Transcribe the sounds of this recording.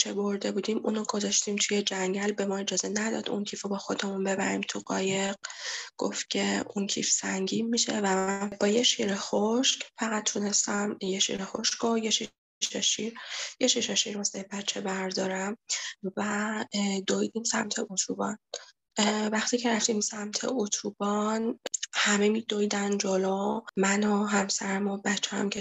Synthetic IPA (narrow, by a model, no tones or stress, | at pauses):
t͡ʃʰeboɾd̪e̞buːd̪iːmʔuːnoɡo̞zɒʃt̪iːmt̪ʰujed͡ʒæŋɟælbe̞mɒːe̞d͡ʒɒːzenæd̪ɒ̰d̪ṵncʰiːfobɒːxo̞d̪emunbe̞bæɾiːmt̪ʰuɢɒːjeɢ̚ɡ̥o̰ft̪̚cʲʰe̞uncʰiːfsæŋɟiːnmiʃe̞̰væbɒːjeʃiɾexoʃcfæɣæt̪̚t̪ːʰune̞st̪æmjeʃḭɾexo̞ʃkojeʃi | ʃeʃiɾjeʃiʃeʃiɾmosejbætt͡ʃʰːebæɾd̪ɒːɾæmvæ | d̪ojd̪iːmsæmt̪ʰe̞ʔut̪ʰubɒn | væxt̪ʰiːcʰeɾæft̪iːmsæmt̪ʰḛʔut̪ʰub̥ɒnhæmemid̪ojd̪ænd͡ʒolɔmænoɦæmsæɾæmobætt͡ʃʰːɛa̰mcʰe